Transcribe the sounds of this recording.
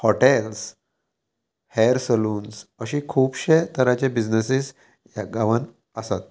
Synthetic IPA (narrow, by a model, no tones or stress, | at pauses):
hɔʈels | hɛɾsəluːnsəɕiːkʰuːpɕet̪ʰəɾat͡ɕebid͡znəsis | jaɡaʋən | əsat̪̚